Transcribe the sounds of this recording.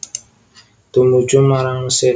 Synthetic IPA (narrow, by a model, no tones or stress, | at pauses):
t̪umu̥d͡ʒumaɾaŋuse